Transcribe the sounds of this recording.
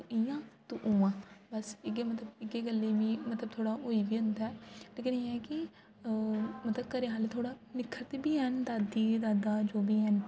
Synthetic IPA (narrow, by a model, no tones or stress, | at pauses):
ɪjãːt̪uʔuːãːbəsɪɡeːmət̪ləbɪɡeːɡəlːeːʋĩːmət̪ləb̚t̪ʰoːɽaːoːiːbiːʊnd̪aɛːleːkɪneːɛːkɪ | mət̪ləb̚kəɾeːɦaːlet̪ʰoːɽaːnɪkʰːəɾt̪eːbiːɦɛnd̪aːd̪iːd̪aːd̪aːd͡ʒoːbʱiːɦən